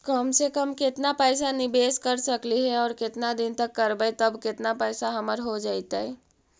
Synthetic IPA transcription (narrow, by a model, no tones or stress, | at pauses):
kəmsekəmkɪt̪napəɪsanɪbeːskəɾsəkliɦɛɔːɾkɪt̪nad̪ɪnt̪əkːəɾbəjt̪əbkɪt̪napɛɪsaɦəməɾɦod͡ʒaːɪt̪aɦɛ